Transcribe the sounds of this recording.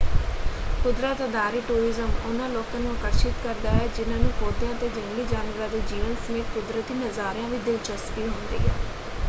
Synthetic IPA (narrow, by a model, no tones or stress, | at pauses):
kʊd̪ɾaːt̪əd̪aːɾiːʈuːɾiːzəmʊnãːlɔːkãːnũːaːkəɾʃɪt̪kəɾd̪aːɦɛːd͡ʒɪnãːnũːkoːd̪jãːt̪eːd͡ʒəŋɡliːd͡ʒaːnʋəɾãːd̪eːd͡ʒiːʋənsəmeːt̪̚kʊd̪ɾət̪iːnəzaːɾjãːʋiːd̪ɪlt͡ʃəspiːɦõːnd̪ḭːɦɛ̰ː